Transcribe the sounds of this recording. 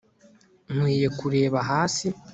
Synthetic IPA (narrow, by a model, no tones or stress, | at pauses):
n̥wiːje̞kuɾe̞ːβaɦaːsi